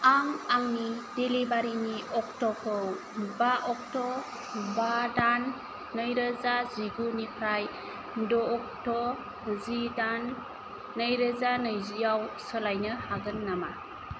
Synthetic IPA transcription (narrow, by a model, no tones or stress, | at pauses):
aŋaŋnidelibaɾiniʔɔk̚tɔkʰɯw | baʔɔk̚tɔ | badanː | ɯjɾəzaziɡunipʰɾaj | dɔːk̚tɔ | zidanː | ɯjɾəzanɯjzijawsəlajnɯhaɡɯnːama